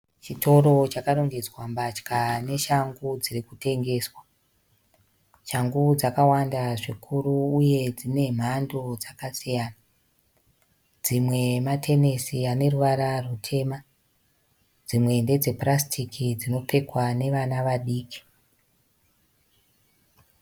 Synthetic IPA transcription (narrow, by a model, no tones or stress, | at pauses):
t͡ʃito̞ɾo̞t͡ʃakaɾo̞ŋɡe̞d͡zwambat͡ʃkane̞ʃaŋɡud͡zirikute̞ŋɡe̞ːswa | ʃaŋɡud͡zakawandaʐikʰuruːje̞d͡zine̞m̤ando̞d͡zakasijaːna | d͡zimwe̞matʰe̞ne̞siane̞ruʋaɾarutʰe̞ːma | d͡zimwe̞nde̞d͡ze̞prastʰikid͡zino̞pe̞kwane̞ʋanaʋaɗiːki̥